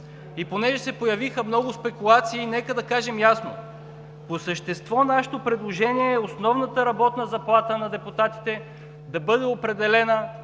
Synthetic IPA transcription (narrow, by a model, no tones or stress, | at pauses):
iponɛʒɛsɛpojɐvixəmnɔɡʊspɛkulˠat̪siːnɛkəd̪ɐkaʒɛmjasno | posəʃt̪ɛst̪vɔnaʃɛ̥t̪opɾɛd̪lˠoʒɛniɛːosnɔvnət̪əɾɐbɔt̪nəzɐplˠat̪ənɐd̪ɛput̪at̪i̥t̪ɛ | d̪ɐbɤd̪ɛopɾɛd̪ɛlɛnə